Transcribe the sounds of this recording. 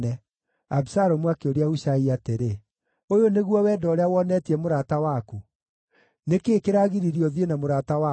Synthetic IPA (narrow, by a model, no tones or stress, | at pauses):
ɛ | abisaɾɔmwakeoɾeahuɕaiateɾe | ojoneɣwɔwɛːdɔɾeawɔnɛtiɛmoɾatawaku | nekeːkeɾaːɣiɾiɾiɔðienamoɾatawa